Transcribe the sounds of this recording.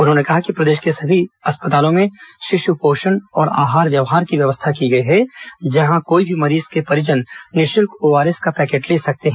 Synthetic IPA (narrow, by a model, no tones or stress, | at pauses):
ʊnɦõːnekɐɦakipɾɐd̪eːʃkesɐbʱiɐspət̪aːlõmẽʃɪʃupoːʃənɔːɾa̰ːɦaːɾʋjɐʋɦaːɾkiʋjɐʋəst̪ʰakiɡɐiɦɛd͡ʒɐɦãkoːibʱimɐɾiːzkepɐɾɪd͡ʒənːɪʃɪlkoːʋaːɾeskapɛːkeːʈleːsɐk̚t̪eɦɛ̃ː